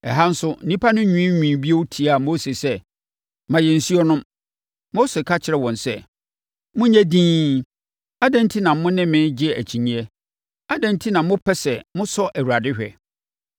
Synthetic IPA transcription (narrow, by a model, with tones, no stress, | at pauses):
ɛ˨ɦa˦n̩˦sʊ˦n̩˦nĩ˦pʰa˦nʊ̃˦ɲũ˦ĩ˦ɲĩː˨bi˦o˦wtʰi˨a˦˨mo˦se˨sɛ˦ | mã˨jɛ˨n̩˨si˦ɔ˦nʊ̃˦m | mo˦se˨kʰa˦t͡ɕʰɪ˨ɾɛ˨wɔ̃˨nsɛ˦ | mʊ̃˦ɲæ̃˦dĩː˦ | a˦dæ̃˦n˦tʰi˦nã˨m˦mʊ̃˦nɪ̃˦mɪ̃˦n˦d͡ʑɪ˦ɛ˨æ˨t͡ɕʰi˨ɲĩ˦ɛ˦ | a˦dɛ̃˨n˦tʰi˦nã˨mʊ̃˦pʰɛ˦sɛ˨mʊ̃˦sɔ˦ʔæ˨wu˨ɾa˨dɪ˦hᶣɛ˨